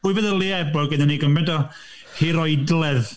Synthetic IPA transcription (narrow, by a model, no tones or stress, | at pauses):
ʊɨvɛðəlˠiɛbɔɡɛdaniɡəmɛndɔ | hiɾɔjdlˠɛð